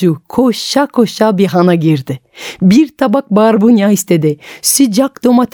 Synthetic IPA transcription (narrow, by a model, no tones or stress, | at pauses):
ukʰoʃakʰoʃabiɦanaɡiɾd̪ɪ | biɾt̪ʰabak̚baːɾbunjaist̪ed̪ɪsyd͡ʒakd̪omat̪ʰ